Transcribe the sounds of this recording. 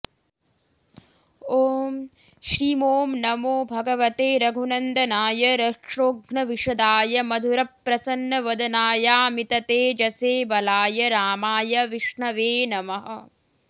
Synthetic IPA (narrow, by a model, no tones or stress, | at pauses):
oːm | ʃɾimoːmnɐmoːbʱɐɡɐʋɐt̪eːɾɐɡʱunɐnd̪ɐnaːjɐɾɐkʂoːɡɳɐʋiʂɐd̪aːjɐmɐd̪ʱuɾɐpːɾɐsɐnːɐʋɐd̪ɐnaːjaːmit̪ɐt̪eːd͡ʒɐseːbɐlaːjɐɾaːmaːjɐʋiʂɳɐʋeːnɐmɐɦɐ̰